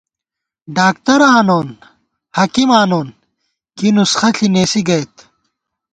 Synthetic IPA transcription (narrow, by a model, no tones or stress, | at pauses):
ɖaːk̚t̪ɐɾaːnoːn | hɐkimaːnoːn | kinusxɐɬʰineːsiɡɐjt̪